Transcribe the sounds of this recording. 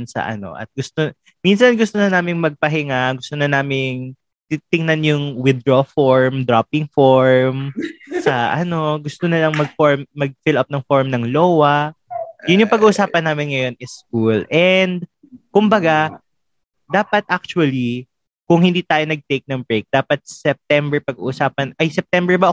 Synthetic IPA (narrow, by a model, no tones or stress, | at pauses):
nsɐ̰ʔɐ̰no̞̰ʔɐ̰t̪̚ɡʊst̪o | minsɐnɡʊst̪onɐnaːmɪŋmɐɡ̚pɐɦɪŋaɡʊst̪onɐnaːmɪŋ | t̪it̪ɪŋnɐnjʊŋwɪd̪ɾofoɹmd̪ɾapɪŋfoɹmsɐʔɐno̞ɡʊst̪onɐlɐŋmɐɡ̚foɹmːɐɡ̚fɪlɐp̚nɐŋfoɹmnɐŋloːwɐ | jʊnjʊŋpɐɡuːʔʊsaːpɐnːaːmɪnŋɐjo̞nʔɪskulʔɛnd̪̚ | kʊmbɐɡa | d̪aːpɐt̪̚ʔak̚t͡ʃʊɐli | kʊŋhɪnd̪iːt̪aːjonɐɡ̚t̪ejk̚nɐŋbɹek̚d̪̥aːpɐt̪̚sɛp̚t̪ɛmbɛɹpɐɡ̚ṵʔʊsaːpɐnʔɐjsɛp̚t̪ɛmbɛɹbɐʔɐ